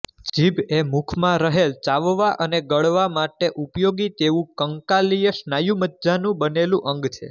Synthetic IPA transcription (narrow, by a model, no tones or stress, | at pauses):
d͡ʒibemukʰmãɾəɦelt͡ʃaʋʋaʔəneɡəɭʋamaʈeʔupjoɡit̪eʋũkəŋkalijəʃnajumət̪ːd͡ʒanũbənelũʔəŋɡt͡ʃʰḛ